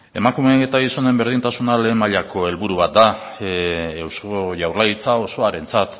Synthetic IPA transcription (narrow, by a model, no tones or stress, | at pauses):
e̞makumeet̪aɣiso̞ne̞mbe̞ɾð̞int̪asunale̞ːmaʎakʰo̞e̞lβuɾuβat̪̚d̪a | ewskoʝawrlait͡sao̞so̞aɾe̞nt͡sat̪